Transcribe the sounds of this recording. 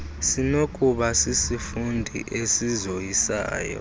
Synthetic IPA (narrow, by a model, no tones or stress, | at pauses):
sinokʼuɓasisifundʱḭʔesizojisa̰ːjɔ̰